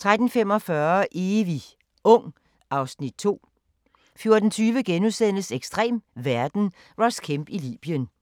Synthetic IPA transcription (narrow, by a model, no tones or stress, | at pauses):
t͡sʰʁad̥n̩fem̰ɒ̽fɶɐʔeːʋi | ɔ̽ŋ̰ | ɑ̈ʊsnid̥̚t͡sʰo̝̰ː | fjo̝ɐd̥n̩t͡sʰyːʋəɡ̥enusen̰əseɡ̥sd̥ʁɛ̰ːmʋæɐd̥n̩ | ʁɒskʰemb̥ilḭːb̥ijən